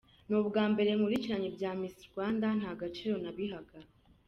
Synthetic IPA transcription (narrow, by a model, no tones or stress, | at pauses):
nuːβɡaːmbe̞ɾe̞ŋuβɾiciɾaɲibɟaːmisiɾɡwaːndan̥haːɡat͡ʃiɾo̞naβiɦaɡa